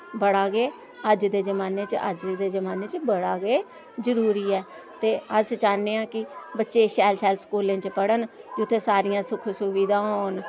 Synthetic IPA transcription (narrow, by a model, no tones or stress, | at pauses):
bəɽaːɡeː | əd͡ʒd̪eːzəmaːneːt͡ʃə̰d͡ʒd̪eːzəmaːneːt͡ʃbəɽaːɡeː | zəɾuːɾiːɛː | t̪eːəst͡ʃaːneːãːkɪbətːʃeːʃɛːlʃɛːlskuːlẽːt͡ʃpəɽənd͡ʒʊt̪ʰːeːsaːɾijãːsʊkʰsʊʋiːd̪ãːɦoːn